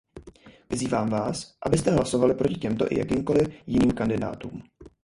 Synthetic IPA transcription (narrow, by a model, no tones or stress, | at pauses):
vɪziːvaːmvaːsʔa̰bɪst̪ɛɦlaso̞valɪpɾo̞cɪcɛmt̪o̞ʔɪ̰ja̰kimko̞lɪfjɪniːmkandɪda̰ːt̪ṵːm